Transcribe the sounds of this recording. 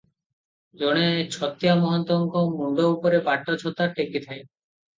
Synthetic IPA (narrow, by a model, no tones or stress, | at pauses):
d͡ʒɔɽ̃et͡ɕʰɔt̪jamɔɦɔnt̪ɔŋkɔmuɳɖoupɔɾebaʈːɔt͡ʃʰɔt̪aʈekit̪ʰaj